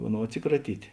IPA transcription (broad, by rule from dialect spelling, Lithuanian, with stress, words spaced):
ˈɑːˌnoːʊ ɐtʲˈsʲɪkrɐˌtʲiːtʲ